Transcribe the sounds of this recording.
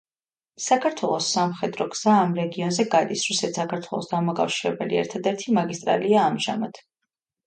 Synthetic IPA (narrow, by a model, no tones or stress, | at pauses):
sakʰaɾt̪ʰwɛlˠɔsːamχɛd̪ɾɔɡz̥aːmɾɛɡiɔnzɛɡad̪isɾusɛt̪sakʰaɾt̪ʰwɛlˠɔsd̪amakʼafʃiɾɛbɛliɛ̰ɾt̪ʰad̪ɛɾt̪ʰimaɡist̪ʼɾa̰liaːmʒa̰mat̪ʰ